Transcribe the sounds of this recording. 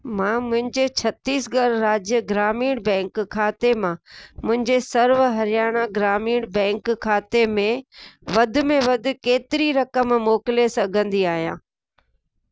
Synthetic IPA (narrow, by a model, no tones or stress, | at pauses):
mãːmʊ̃ɦɪ̃ɲd͡ʑet͡ɕʰɐt̪iːsɡɐɾɾaːd͡ʑjəɡɾaːmiːɽbɛ̃ːŋkkʰːaːt̪emãːmʊ̃ɦɪ̃ɲd͡ʑesɐɾʋɦɐɾɪjaːɽ̃aɡɾaːmiːɽ̃bɛ̃ːŋkkʰːaːt̪emẽʋɐd̪ʱʊ̆mẽʋɐd̪ʱʊ̆keːt̪ɪɾiɾɐkəmmoːkɪlesɐɡʱə̃nd̪iaːɦijãː